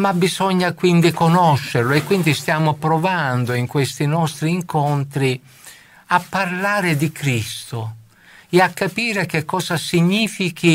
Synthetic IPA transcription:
mabːizɔɲːakwind̪ikonɔʃːeɾloɛkːwind̪ist̪jaːmopɾɔvand̪oiŋkwest̪inɔst̪ɾiːŋkont̪ɾi | apːarlaːɾɪd̪ikɾist̪o | ɛakːapiːɾek̟ekːɔːsasiɲːiːfiki

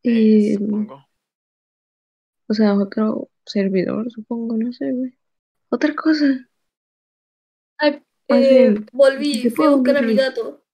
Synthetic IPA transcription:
e | oseaot̪ɾo̰ | seɾβiðo̰ɾsupo̞ŋɡonoseɾβe | ot̪ɾakos̬a | aj | aobolβisepweekaɾamiðat̪o

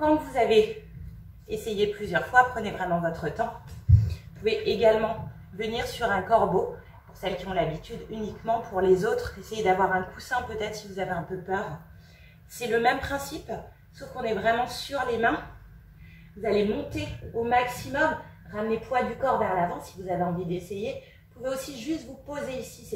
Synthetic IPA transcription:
kɑ̃vuzave | esejeplyzjœʁfwapχənevʁɛmɑ̃vɔt̪χət̪ɑ̃ | upuveʔeɡalmɑ̃ | vəniʁsyʁɛ̃kɔʁbo | puʁsɛlkʲiɔ̃labit̪yd̪ynikmɑ̃pʰuʁlezot̪χesejed̪avwaʁɛ̃kusɛ̃pøt̪ɛt̪χsivuzaveɛ̃pøpœʁ | sɛləmɛmpχɛ̃sip | sofkɔ̃nɛvʁɛmɑ̃syʁlemɛ̃ | vuzalemɔ̃t̪eomaksimɔm | ʁamnepwad̪ykɔʁvɛʁlavɑ̃sivuzaveɑ̃vid̪eseje | puveosiʒyst̪vupozeisis

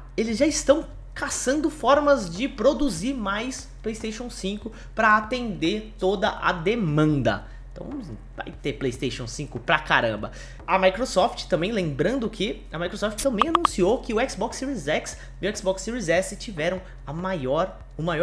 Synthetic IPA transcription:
elɪzʒaɪst̪ɐ̃w̃ | kasɐ̃nd̪ʊfɔɾmɐzd͡ʒɪpɾod̪uziɾmajs | plejst̪eʃõw̃sĩkʊ | pɾɐat̪ẽnd̪eɾt̪od̪ɐʔɐ̰d̪emɐ̃nd̪ɐ̰ | ẽt̪ɐ̃w̃z̰ | va̰jt̪eplejst̪ejʃõw̃sĩkʊpɾɐkaɾɐ̰̃mbɐ | ɐmajkɾosɔft͡ʃɪ̥t̪ɐ̃mbẽj̃lẽbɾɐ̃nd̪ʊkʰɪ | ɐmajkɾosɔft͡ʃɪ̥t̪ɐ̃mbẽj̃anũsiowkɪʊɛksbɔksːiɾizɛks | mewɛksbɔksːiɾizɛsɪt͡ʃivɛɾɐ̃w̃ | ɐmajɔɾ | ʊmajɔ

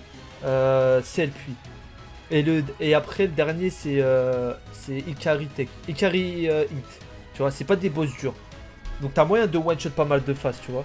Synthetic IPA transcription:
øsɛlpʰɥi | eləeapχɛləd̪ɛʁnjesɛø | sɛikʲaʁit̪ɛkikʲaʁiøĩt̪ | t̪yvwasɛpad̪ebos̬d̪yːʁ | d̪ɔ̃k̚t̪yamwajɛ̃d̪əwɛ̃nʃɔt̪̚pamald̪əfast̪yvwa

